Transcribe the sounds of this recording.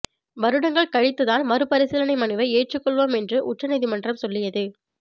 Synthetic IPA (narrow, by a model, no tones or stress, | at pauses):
ʋɐɾɯɽɐŋɡɐɭkɐɻɪt̪ːɯðaːlmɐɾɯpɐɾɪsɪlɐnɐɪmɐnɯʋɐɪeːʈrɯkːɔɭʋoːmɛndrɯʔʊʈrɐnɐðɪmɐndrɐmsɔlːɪjɐðɯ